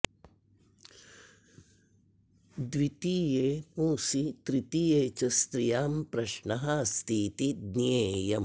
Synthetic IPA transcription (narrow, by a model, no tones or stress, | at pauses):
d̪wit̪iːjeːpũːsit̪ɾit̪ijeːt͡ʃɐst̪ɾijaːmpɾɐʃɳɐɦɐst̪ʰiːt̪id̪neːjɐm